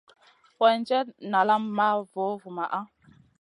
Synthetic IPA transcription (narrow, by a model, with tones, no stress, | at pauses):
wa˨n˦d͡ʒɛ˦tna˨la˦mːa˦vo˨˦vu˨ma˨ʔa˦